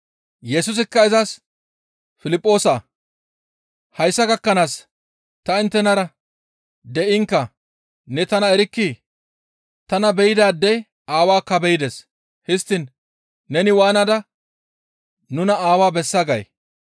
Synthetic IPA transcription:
jɛsʊs̬ɪkːɐɪzɐs | fɪlɪpʼːo̞ːsaː | hɐjsːɐɡɐkːɐnaːs | t̪ɐɪnt̪ːɛnɐɾɐ | d̪ɛʔɪŋkːɐ | nɛt̪ɐnɐɛɾɪkːi | t̪ɐnɐbɛjɪd̪aːd̪ːɛ | aːwaːkːɐbɛjɪd̪es | hɪst̪ːɪnː | ɛnɪwaːnɐd̪ɐ | nʊnɐaːwaːbɛsːɐɡɐj

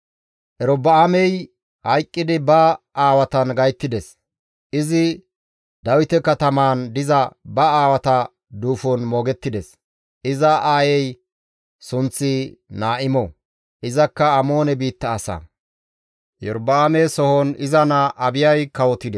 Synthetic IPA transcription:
ʔɛɾɔbɐamɛj | hɐjkʼːɪd̪ɪbɐʔaːwɐt̪ɐnɡɐjt̪ːɪd̪ɛs | ʔɪzɪ | d̪ɐwɪt̪ɛkɐt̪ɐmaːnd̪ɪzɐbɐaːwɐt̪ɐ | d̪uːfɔnmoːɡɛt̪ːɪd̪ɛs | ʔɪzɐʔaːjɛj | sʊnt͡sːɪnaːʔɪmɔ | ʔɪzɐkːɐːmoːnɛbiːt̪ːɐːsɐ̰ | jɛɾbːɐamɛjsɔhɔnɪzɐnaʔɐbɪjɐjkɐwɔt̪ɪd̪ɛ

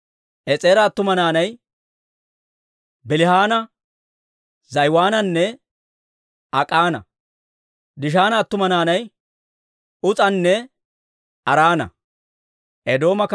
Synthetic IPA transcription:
ʔɛt͡sʼeːɾɐːt̪ːʊmɐnaːnɐj | bɪlɪhaːnɐ | zɐjwaːnɐnːɛ | ɐkʼaːnɐ̰ | d̪ɪʃ̬aːnɐːt̪ːʊmɐnaːnɐj | ʊt͡sʼɐnːɛ | ɐɾaːnɐ̰ | ʔɛd̪o̞ːmɐk

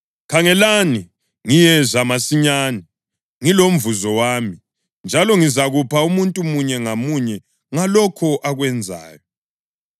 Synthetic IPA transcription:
kʰaŋɛlani | ŋijɛzamasiɲaːni | ŋilom̩vuzɔwaːmi | nd͡ʒʱalɔŋizaɣupʰaumuntʼumuɲɛŋamuɲɛ | ŋalɔkʰɔʔaɣwɛnd͡zʱa̰ːjɔ

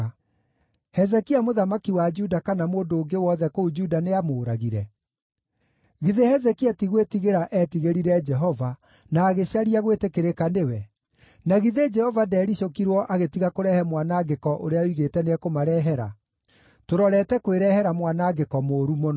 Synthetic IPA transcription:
hɛzɛkiamoðamakiwad͡ʒudakanamoːndoːŋɡewɔðɛkoud͡ʒudaneamoːɾaɣiɾɛ | ɣiðehɛzɛkiatiɣwetiɣeɾaʔɛtiɣeɾiɾɛd͡ʒɛɦɔva | naːɣeɕaɾiaɣwetekeɾekanewɛ | naɣiðed͡ʒɛhɔvadɛɾiɕokiɾwɔʔaɣetiɣakoɾɛhɛmwanaɡekɔʔo̰ɾeawiɣetɛneɛkomaɾɛɦɛɾa | toɾɔɾɛtɛkoweɾɛːhɛɾamwanaːɡekɔmoːɾumon

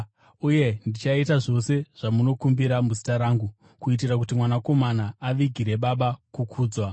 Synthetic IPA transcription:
uje̞ndit͡ʃaitaʐo̞se̞ʐ̥amuno̞kumbiɾamuzitaɾaːŋɡu | kuit̬irak̬utimwanako̞manaːʋiɡʱiɾe̞ɓaɓakukʰuːd͡zwa

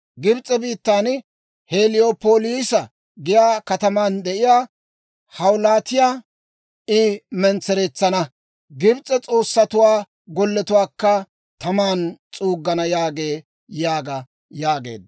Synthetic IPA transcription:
ɡɪbt͡sʼɛbiːt̪ːaːn | heːlɪjopoːliːsɐ | ɡɪjaːkɐt̪ɐmaːnd̪ɛʔɪjaː | hɐwlaːt̪ɪjaː | ɪmɛnt͡sːɛɾeːt͡sːɐnɐ | ɡɪbt͡sʼːɛt͡sʼo̞ːsːɐt̪ʊwaː | ɡɔlːɛt̪ʊwaːkːɐ | t̪ɐmaːnt͡sʼuːɡːɐnɐjaːɡe̞ː | jaːɡɐ | jaːɡe̞̰ːd̪

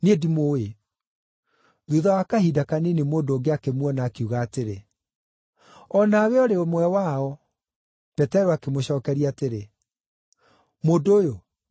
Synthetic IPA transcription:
nedimowe | ðuðawakahiːdakanenemoːndoɡeakemwɔnaːkeuɣaːteɾe | ɔnaːwɛɔɾeomwɛwaɔ | pɛtɛɾoakemoɕɔːkɛɾiateɾe | moːdoːjo

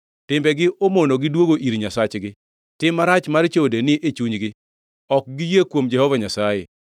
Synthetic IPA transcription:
tɪmbɛɡɪʔomonoɡɪdwoɡoʔiɾɲasat͡ʃɡɪ | tɪmːaɾat͡ʃmart͡ʃodenɪʔet͡ʃuɲɡɪ | ɔk̚ɡɪjekwomd͡ʒɛhɔvaɲasajḛ

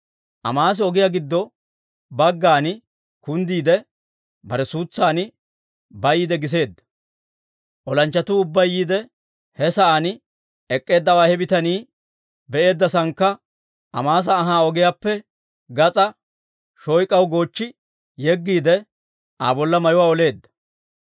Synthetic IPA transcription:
ʔɐ̰maːs̬ɪɔɡɪjaɡɪd̪ːɔ | bɐɡːaːnɪ | kʊnd̪iːd̪ɛ | bɐɾɛsuːt͡sːaːnɪ | bɐjiːd̪ɛɡɪs̬e̞ːd̪ːɐ̥ | ʔɔlɐnt͡ʃːɐt̪uːʊbːɐjːiːd̪ɛ | hɛsɐʔan | ɛkʼːe̞ːd̪ːɐwaːhɛbɪt̪ɐniː | bɛʔe̞ːd̪ːɐsɐŋkːɐ | ʔɐ̰maːs̬ɐːɦaːɔɡɪjaːpːɛ | ɡɐt͡sʼɐ | ʃɔjkʼɐwɡo̞ːt͡ʃːɪ | jɛɡːiːd̪ɛ | ʔa̰ːbɔlːɐmɐjʊwaːɔle̞ːd̪ːɐ̥

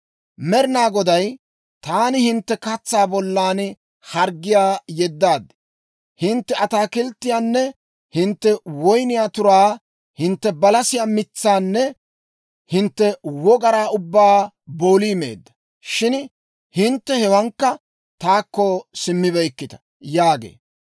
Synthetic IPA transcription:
mɛɾɪnaːɡɔd̪ɐj | t̪aːnɪhɪnt̪ːɛkɐt͡sːaːbɔlːaːn | hɐɾɡːɪjaːjɛd̪ːaːd̪ːɪ̥ | hɪnt̪ːɛʔɐt̪aːkɪlt̪ːɪjaːnːɛ | hɪnt̪ːɛwɔjnɪjaːt̪ʊɾaː | hɪnt̪ːɛbɐlɐsɪjaːmɪt͡sːaːnːɛ | hɪnt̪ːɛwɔɡɐɾaːʊbːaː | bo̞ːliːmḛːd̪ːɐ̥ | ʃɪn | hɪnt̪ːɛhɛwɐŋkːɐ | t̪aːkːɔsɪmːɪbɛjkːɪt̪ɐ̥ | jaːɡḛː

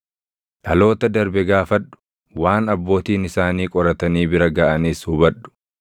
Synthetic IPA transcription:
ʔɐlo̞ːt̪ɐd̪ɐɾbɛɡaːfɐᶑʊ̥ | waːnɐbːo̞ːt̪iːnɪsaːniːkʼɔɾɐt̪ɐniːbɪɾɐɡaːʔɐniːshuːbɐᶑʊ̥

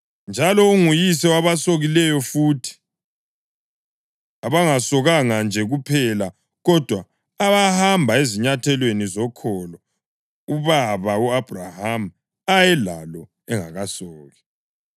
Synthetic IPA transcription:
nd͡ʒʱalɔuŋujis̬ɛwaβasoɣilɛjɔfuːtʰi̥ | aβaŋasɔɣaŋand͡ʒʱɛɣupʰɛla | ɣɔd̥ʱwaː | βahambʱaeziɲatʰɛlwenizɔkʰɔlɔ | uβaβauab̥ʱraham̩ | ajɛla̰lɔ | ɛŋa̰ɣasɔːɣɛ

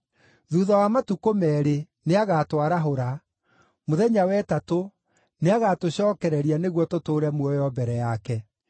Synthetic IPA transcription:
ðuːðawamatukomɛːɾe | neaɣatwaɾaɦoɾa | moðɛɲawɛtato | neaɣatoɕɔːkɛɾɛɾianeɣwɔtotoːɾɛmwɔjɔbɛɾɛjakɛ

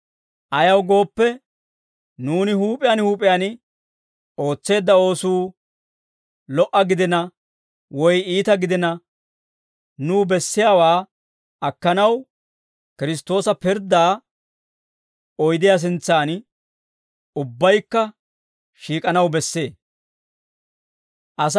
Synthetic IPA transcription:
ʔɐjɐwɡo̞ːpːɛ | nuːnɪhuːpʼɪjanhuːpʼɪjaːn | o̞ːt͡sːe̞ːd̪ːɐo̞ːsuː | lɔʔːɐɡɪd̪ɪnɐ | wɔjiːt̪ɐɡɪd̪ɪnɐ | nuːbɛsːɪjaːwaː | ɐkːɐnɐw | kɪɾɪs̬t̪ːo̞ːsɐpɪɾd̪aː | ɔjd̪ɪjas̬ɪnt͡sːaːn | ʊbːɐjkːɐ | ʃiːkʼɐnɐwbɛsːe̞ː | ʔɐs̬

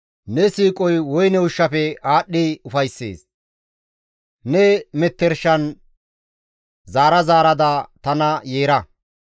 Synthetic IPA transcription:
nɛsiːkʼɔjwɔjnɛʊʃːɐfɛaːɗːiʊfɐjsːḛːs | nɛmɛt̪ːɛɾʃɐn | zaːɾɐzaːɾɐd̪ɐt̪ɐnɐjeːɾɐ

